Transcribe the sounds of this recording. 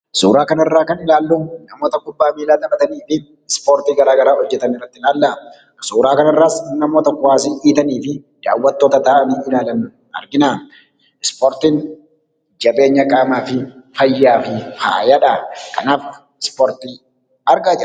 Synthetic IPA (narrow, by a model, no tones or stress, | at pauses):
suːɾaːkɐnɐrːaːkɐnɪlaːlːunɐmo̞ːt̪ɐkʊbːaːmiːlaːlːɐbɐt̪ɐniːfɪ | ɪspoːɾt̪iːɡɐɾaːɡɐɾaːhɔd͡ʒːɛt̪ɐnɪrːɐt̪ːɪlaːlːɐ | suːɾaːkɐnɐrːaːsnɐmo̞ːt̪ɐkʊwaːs̬iʔiːt̪ɐniːfɪd̪̥a̰ːwːɐt̪ːo̞ːt̪ɐt̪aːmiɪlaːlɐn | ɐ̰ɾɡɪnaː | ɪspoːɾt̪iːn | d͡ʒɐbe̞ːɲːɐkʼaːmaːfɪfɐjːaːfɪha̰ːjɐᶑɐkɐnaːf | ɪspoːɾt̪iː | ɐɾɡaːd͡ʒɐ